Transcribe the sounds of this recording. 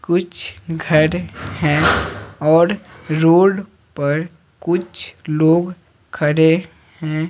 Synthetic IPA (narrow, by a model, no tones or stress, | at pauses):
kʊt͡ʃʰɡʱəɾhɛ̃ːɔːɾɾoːɖ | pəɾ | kʊt͡ʃʰloːɡ | kʰəɾe | hɛ̃ː